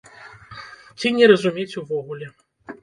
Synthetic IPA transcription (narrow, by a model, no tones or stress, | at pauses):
t͡sʲinʲɛɾɐzumʲet͡sʲuvɔɣulʲɛ